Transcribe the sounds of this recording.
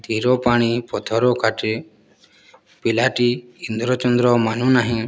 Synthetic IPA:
t̪iɾɔpaɽ̃ipɔt̪ʰɔɾɔkʰaʈe | pilaʈiind̪ɾɔt͡ʃɔnd̪ɾɔmanũnaɦĩ

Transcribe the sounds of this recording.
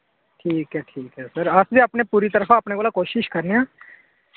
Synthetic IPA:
ʈʰiːkɦɛːʈʰiːkɦɛːsəɾəsbiːəːpneːpuːɾiːt̪əɾəfʰãːəpneːkoːlaːkoːʃɪʃkəɾneãː

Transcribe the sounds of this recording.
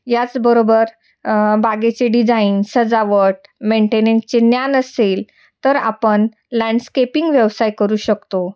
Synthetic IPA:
jat͡sbəɾobəɾ | baɡet͡ɕeɖid͡zainsəd͡zaʋəʈ̚meɳʈenẽt͡ɕenjanəsel | t̪əɾa̰pəɳ | lãɳɖskepiŋɡʋjəʋsajkəɾuːɕəkt̪o

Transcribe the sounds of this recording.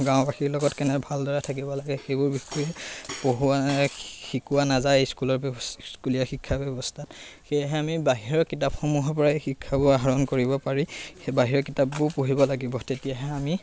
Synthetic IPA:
ɡãʊ̃baxiɹlɔɡɔtkɛnɛbʱaldɔɹatʰak̬ibɔlaɡɛxejbʊɹbixuɛpoɦuaxikuwanazajejskulɔskulijaxikʰːabɛbɔstʰatxejaɦɛamibaɦiɹɔkitapxomuɦɔɹp̬ɔɹaexikʰːabʊaɦaɹɔnkoɹibɔpaɹibaɦiɹɔkitapːʊɹpoɦibɔlaɡibɔtetijaɦɛami

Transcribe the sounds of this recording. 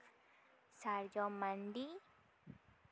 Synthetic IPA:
saɾd͡ʒɔmand̪i

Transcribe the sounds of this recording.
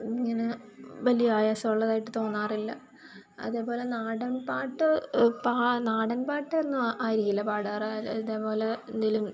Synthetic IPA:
iŋːɐneʋɐlijaːjasɐuɭːɐðaːjiʈːɨt̪o̞ːnːaːrilːɐ | ɐ̰ðe̞ːpo̞ːle̞naːɽɐnpaːʈːɨpaːnaːɽɐnpaːʈːɨenːɨaːjɾikːilːɐpaːɽaːraðeːpo̞ːle̞end̪ilum

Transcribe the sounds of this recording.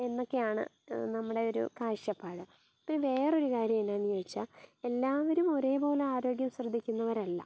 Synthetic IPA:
e̞nːo̞kːe̞jaːɳɨ̰ | nɐmːuɽe̞o̞ɾṵkaːɕjɐpːaːɽɨ | pːinʋe̞ːro̞ɾukaːɾjɐminaːnijɐjit͡ɕːae̞lːaːʋɐɾumo̞ɾe̞ːbo̞ːleaːɾo̞ːɡjɐmɕrɐd̪ʱːikʲːunːɐʋɐɾɐlːɐ̰

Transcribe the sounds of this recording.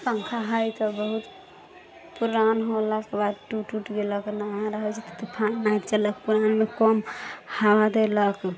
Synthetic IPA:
səŋkʰaɦəjt̪ɔbəɦut̪ | puɾanɦoləkbad̪ʈuʈuʈɡeləknaɦɾəɦət͡ʃʰit̪t̪ɔpʰanajt̪t͡ʃələkpuɾanmekɔmhawad̪elək

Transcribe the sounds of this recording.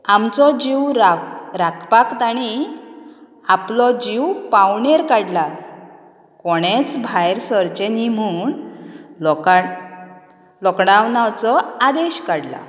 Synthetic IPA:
amt͡sɔd͡ʑiwɾɾakʰpakt̪aɽi | aplɔd͡ʑiwpawɳeɾkaɽla | kɔɽ̃et͡sbʱajɾsəɾt͡ɕenim̤uɳ | ɔka | lɔkɽawnawt͡sɔad̪eɕkaɽla̰

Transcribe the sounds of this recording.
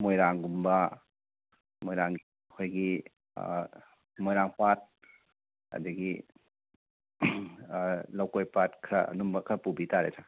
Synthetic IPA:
mojɾaŋɡumbɐ | mojɾaŋi | kʰojɡi | mojɾaŋpat̚ | ɐ̰diɡi | lawkojpat̚kʰɾa̰numbɐkʰɾɐpubitaɾetʰa

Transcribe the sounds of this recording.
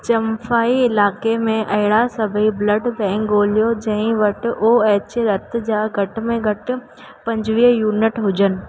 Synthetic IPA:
t͡ɕɐmfaːiɪlaːkemẽʔɐɦɪɽasɐbʱibləɖbɛ̃ːŋkːoːlijod͡ʑɐ̃ɦɪ̃ʋɐʈɪ̆ʔoːeːt͡ɕɾɐt̪ɪ̆d͡ʑaːɡʱɐʈ̆mẽɡʱɐʈɪ̆ | pɐ̃ɲd͡ʑʋiːjuːnɪʈɦʊd͡ʑənɪ̆

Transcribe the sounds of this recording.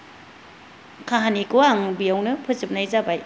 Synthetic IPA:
kʰaɦanikɯaŋbijawnɯpʰɯzɯp̚najzabaj

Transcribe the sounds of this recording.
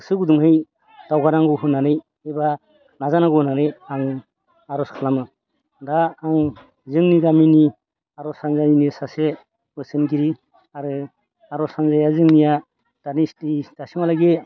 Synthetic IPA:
sɯɡuduŋhɯj | d̥awɡaɾaŋɡɯwɦɯnanɯj | eba | nazanaɡuhnanɯjaŋ | aɾɔskʰalamɯ | daːŋ | zɯŋniɡamini | aɾɔsanzajinisase | wɯsɯnɡiɾi | aɾɯ | aɾɔsanzajazɯŋnija | d̥anistid̥asimalajɡe

